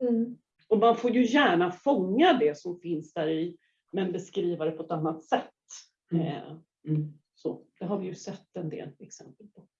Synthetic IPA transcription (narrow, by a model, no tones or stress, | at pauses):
ɔmanfoːɾjɵjæːɳafɔŋːad̪ɛsɔmfɪnsd̪æːɾɪ | mɛnbɛskɾiːvad̪ɛpʰɔɛt̪anːat̪sɛt̪ː | so̰ːd̪̥ɛɦaɾvɪjɵsɛt̪ːɛnd̪ḛːlɛksɛmpəlpʰɔ